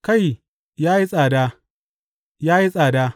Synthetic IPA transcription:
ka˦˨j | jaː˦ji˦sʼaː˨daː˦ | jaː˦ji˦sʼaː˨daː˦

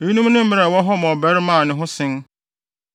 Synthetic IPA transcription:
e˨˦nũ˦m˦nʊ̃˦m̩˦mɪ˦ɾa˨wɔ˦ɦɔ˦m˨ɔ̃˨bɛ˦ɾmã˦˨nɪ̃˨ɦʊ̃˦sɪ̃˦n

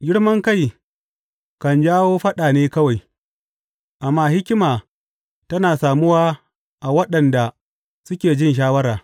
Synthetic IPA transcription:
ɡʲɪ˦ɽmɐ˦ŋka˦˨j | kɐ˨nd͡ʒaː˦woː˦ɸɐ˦ɗaː˨neː˦kɐ˦wa˨j | ʔa˨mːaː˦hɪ˦kʲɪ˦maː˨ | tɐ˦naː˨saː˨mʊ˦waː˦ | ʔa˨wɐ˦ɗɐ˨nda˨ | sʊ˦kʲeː˨d͡ʒɪ˦nʃ̬aː˦wɐ˦ɾaː˨

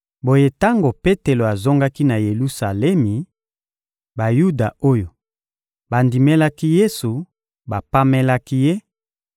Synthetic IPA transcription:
bo˨je˦ta˦ŋɡo˨pe˦te˨lo˨a˨zo˦ŋɡa˦ki˦na˨je˨lu˦sa˨lɛ˦mi˨ | ba˨ju˦da˨o˦jo˨ | ba˨ndi˨me˦la˦ki˦je˦su˨ | ba˨pa˦mɛ˦la˦ki˦je˦

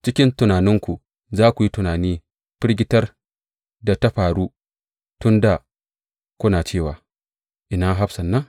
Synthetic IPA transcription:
t͡ʃɪ˦kʲɪ˦ntʊ˨naː˨nɪ˦ŋkʷu˨ | zaː˦kʷu˨ji˦tʊ˨naː˨niː˦ | ɸɪ˦ɽɡʲɪ˦tɐ˦r | da˨ta˦ɸaː˨ɽuː˦ | tʊ˦nda˨ | kʷʊ˦naː˨t͡ʃeː˦˨waː˨ | ʔɪ˦na˦ɦa˦ɸsɐ˨nːɐ˦ŋ

